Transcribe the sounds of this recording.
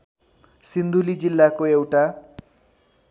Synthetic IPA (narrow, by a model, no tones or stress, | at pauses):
sind̪ʱulid͡zilːakoewʈa